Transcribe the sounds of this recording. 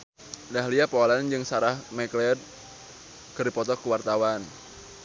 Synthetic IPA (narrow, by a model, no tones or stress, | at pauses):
dahliapɔland͡ʒɨŋsaɾahmɛklɛd̚ | kərdipɔt̪ɔkuwart̪awan